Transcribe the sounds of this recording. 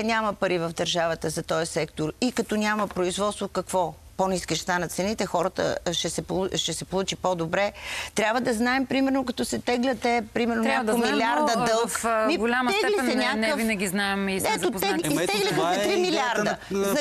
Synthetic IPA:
nʲaməpɐɾivəvd̪ɐɾʒavət̪əzɐt̪ɔjɐsɛkt̪oɾikɐt̪ɔnʲaməpɾoizvɔt̪st̪vokɐkvɔponiskiʃst̪anɐt̪t̪sɛnit̪ɛxɔɾət̪ə̰ʃɛsɛpʃɛsɛpolˠut͡ʃipod̪obɾɛt̪ɾʲabvəd̪ɐznaɛmpɾimɛɾnokɐt̪ɔsɛt̪ɛɡlʲɐt̪ːɛpɾimɛɾnoɲʲakomilʲiaɾd̪əd̪ɤlˠkmiɡʊlʲaməsɛɛsnɛnʲanɛəvinɛɡʲiznaɛmiɛoɛt̪ɛɡlʲixsɛt̪ɾimilʲaɾd̪ə

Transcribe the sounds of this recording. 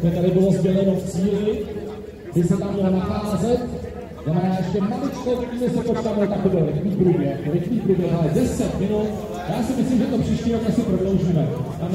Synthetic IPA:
ʒɛt̪aɾɪbɪlozbjɛlɛɾot̪t͡siːɪ | d̪ɪsɛt̪amɲɛlonaxaːzɛt̪ | znamɛnaːjɛʃɛmalɪt͡ʃkoimɪsɛpot͡ʃkaːvalɪt̪akobɛlɾɪxniːpɾubɛlakoɾɪxniːpɾubɛlʔalɛdɛsɛt̪mɪnu | jaːsɪmɪslimʒɛt̪opr̥iːʃciːɾokasɪpɾodlo̞wʒiːmɛt̪a

